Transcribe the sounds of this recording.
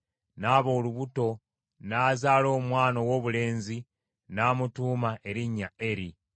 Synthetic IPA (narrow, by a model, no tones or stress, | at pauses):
naːβo̞ːluβuto̞ | naːzaːlo̞ːmwaːno̞wo̞ːβule̞ːnzi | naːmutuːmae̞ɾiɲːae̞ɾi